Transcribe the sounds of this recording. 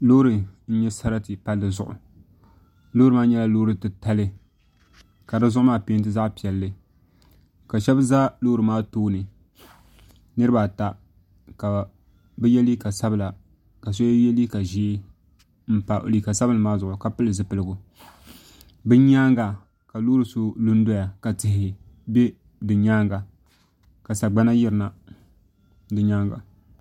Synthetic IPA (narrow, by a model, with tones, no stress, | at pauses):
lo˦ɾɨ˨n̩˦ɲɛ˦sa˦ɾa˦tɨ˨pa˦lːɨ˨zʊ̰˨ʔʊ̰˨ | loː˦ɾɨ˨maː˦ɲɛ˦la˦loː˦ɾɨ˨tɨ˨ta˦lɨ˦ | ka˨dɨ˦zʊ˦ʔʊ˦maː˦pe˦nt̬ɨ˦za˦ʔpi˨ɛ˨lːɨ˦ | ka˨ʃɛ˦bza˦loː˦ɾɨ˨maː˦toː˦nɨ˨ | nɨ˦ɾɨ˦ba˨ta˨ | ka˨ | bɛ˦jɛ˦li˦ka˨sa˦bɨ˨la˨ | ka˨s̬o˦jɛ˦li˦ka˨ʒeː˦ | m̩˦pa˨ʔo̰˨li˨ka˨sa˦bɨ˦lmaː˦zʊ˨ʔʊ˨ka˨pɨ˦lɨ˨zɨ˦pɨ˨lɨ˨ɡʊ˨ | bɨ˦ɲaː˦ŋɡa˨ | ka˨loː˦ɾɨ˨so˦lu˦n˦do˦ja˨ka˨tɪ˨hɪ˨ | bɛ˦ | dɨ˨ɲaː˦ŋɡa˨ | ka˨sa˨ɡ͡ba˦na˦ji˦ɾɨ˨na˨ | dɨ˨ɲaː˦ŋɡa̰˨